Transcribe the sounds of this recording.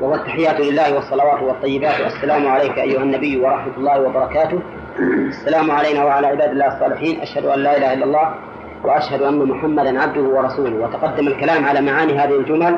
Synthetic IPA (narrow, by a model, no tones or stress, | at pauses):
wahʊwat̪ːaħɪjːaːt̪lɪlːaːhɪwɑsˤːɑlɑwaːt̪wɑt̪ˤːɑjːɪbaːt̪ʔa̰sːalaːmʊʕalajkʔa̰jːʊhanːabɪjːwɑɾˤɑħmat̪ʊlˤːɑːhwɑbɑɾˤɑkaːt̪ʊh | ʔasːalaːmʊʕalajnaːwaʕalaːʕɪbaːd̪ɪlːaːhɑsˤːɑːlɪħiːnʔa̰ʃhad̪ʊʔalːaːʔɪlaːhaʔɪlːalˤːɑː | waʔaʃhad̪ʊʔanːamʊħamːad̪nʕab̚d̪ʊhʊwɑɾˤɑsuːlʊhwɑt̪ɑqɑd̪ːamalkalaːmʕalaːmaʕaːniːɦaːðahald͡ʒʊmal